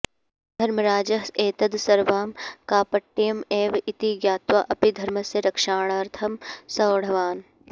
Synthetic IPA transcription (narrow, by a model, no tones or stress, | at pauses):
d̪ʱɐɾmɐɾaːd͡ʒɐɦeːt̪ɐd̪sɐɾʋaːmkaːpɐʈːijɐmeːʋit̪iɡjaːt̪ʋaʔɐpid̪ʱɐɾməseɾɐkʃaːɳ̃aːɾt̪ʰɐmsɐɽ̤ɐʋaːn